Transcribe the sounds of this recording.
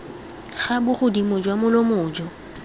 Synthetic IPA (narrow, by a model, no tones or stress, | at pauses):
χabʊχʊdimʊd͡ʒwamʊlomʊːd͡ʒɔ